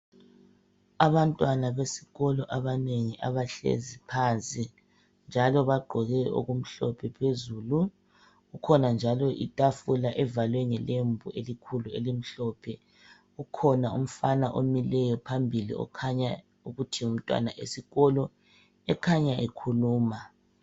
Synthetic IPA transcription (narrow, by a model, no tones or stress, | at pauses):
aβantʼwanaβesi̥ɣɔlɔʔaβaneŋiʔaβaɬḛzipʰant͡sʼi | nd͡ʒʱalɔβaɡ͡ǃʱɔɣɛʔo̰ɣum̩ɬɔ̰pʰɛpʰezuːlu | ɣukʰɔnand͡ʒʱalɔʔitʼafulaʔɛvalwɛŋɛlembʱuʔelikʰuluelim̩ɬɔːpʰɛ | ɣukʰɔnaṵm̩fanaʔomilɛjɔpʰambʱilḭɔ̰kʰaɲa | uɣutʰium̩tʼwa̰naʔesiɣɔlɔ | ɛkʰaɲaʔekʰuluːma